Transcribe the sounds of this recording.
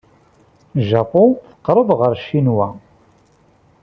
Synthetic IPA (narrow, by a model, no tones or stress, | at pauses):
ʒɑpoθə̥qːɾˤəðʁəɾʃːinwæ